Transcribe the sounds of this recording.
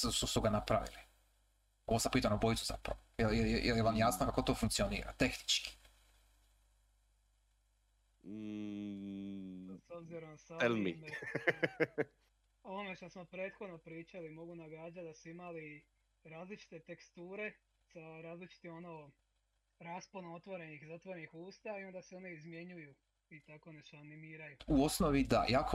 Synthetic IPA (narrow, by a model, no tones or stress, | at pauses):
ssusuɡanapɾaʋḭli | oosampiːt̪anobojt̪uza̰pɾa̰ʋojeljejejeljeʋamjasnokakot̪o̞ːfuŋkt̪ionḭːɾa̰t̪e̞xni̥t͡ʃki̥ | sobziɾomsaelmi | oʋomeʃt̪osmo̞pɾe̞ːt̪xo̞d̪no̞pɾiːt͡ʃalimo̞ɡunaɡaːd͡ʒat̪̚d̪asuimali | ɾaːzlit͡ʃi̥t̪e̞t̪e̞kst̪uːɾe̞ | saɾaːzlit͡ʃi̥t̪imo̞noː | ɾaːsponoo̞t̪ʋo̞ɾe̞nixzat̪ʋo̞ɾenixuːst̪aio̞nd̪aseo̞neizmje̞ɲuju | it̪ako̞oneʃt̪oanimiːɾajuuosnoʋid̪a̰jako